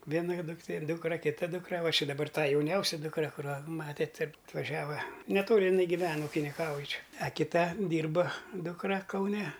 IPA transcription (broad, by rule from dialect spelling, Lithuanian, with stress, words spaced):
ˈʋʲiɛnɐ dʊkˈtʲeː ˈduːkrɐ kʲɪˈtɐ ˈduːkrɐ ˈʋɐ ʃʲɪ dɐˈbɐr ˈtɑː jɛʊˈnʲɛʊsʲɛ dʊkˈrɐ kʊˈrɑː ˈmɑːtʲeːt ɪr ɐtʋɐˈʒʲæːʋɐ nʲɛˈtoːlʲɪ ɪˈnɐɪ ɡʲɪˈʋʲɛn ʊkʲɪnʲɪˈkɐʊj ˈt͡ʃʲɛ ɐ kʲɪˈtɐ ˈdʲiːrbɐ ˈduːkrɐ kɐʊˈnʲɛ